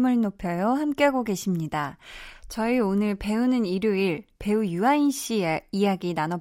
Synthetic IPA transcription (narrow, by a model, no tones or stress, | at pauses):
mɯɭnopʰjʌjohamk͈e̞ɦaɡoɡe̞ɕʰimɲidat͡ɕʌionɯɭpe̞unɯniɾjuiɭpe̞ujuainɕ͈ieijaɡinanʌ